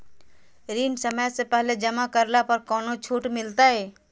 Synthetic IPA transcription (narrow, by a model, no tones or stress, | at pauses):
ɾiːnsəməjsepɛɦled͡ʒɐmakəɾlapɐɾkɔːnot͡ʃʰuːʈmɪlt̪aɦɛː